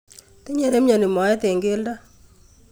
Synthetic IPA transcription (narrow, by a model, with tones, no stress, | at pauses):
te˦ɲe˨ɾe˦mɲa˨ni˨mɔ˨ɛ˦te˨ŋɡe˦lda˦